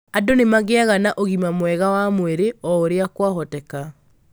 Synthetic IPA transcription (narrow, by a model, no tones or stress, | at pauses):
adonemaɣeaɣanaʔoɣimamwɛɣawamweɾeɔoɾeakwaɦɔtɛka